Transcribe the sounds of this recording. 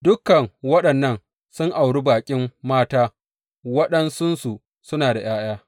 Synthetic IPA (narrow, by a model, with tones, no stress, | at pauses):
dʊ˦kːɐ˨ŋwɐ˦ɗɐ˨nːɐ˦n | sʊ˦ŋʔa˨wɽu˦baː˨kʲʼɪ˦mːaː˦taː˦ | wɐ˦ɗɐ˦nsʊ˦nsu˨ | sʊ˦naː˨da˨j̰aː˦j̰aː˦